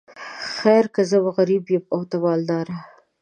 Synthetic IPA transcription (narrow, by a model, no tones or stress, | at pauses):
xajɾkazəwaɣaɾibjemawt̪awɑld̪ɑɾa